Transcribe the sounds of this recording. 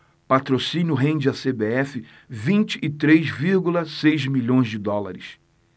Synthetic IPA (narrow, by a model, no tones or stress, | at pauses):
pat̪ɾosĩnjʊɦẽj̃d͡ʒɪasebeɛfɪ | vĩnt͡ʃɪʔːt̪ɾejzviɾɡulɐsejzmiʎõj̃zd͡ʒɪd̪ɔlaɾɪs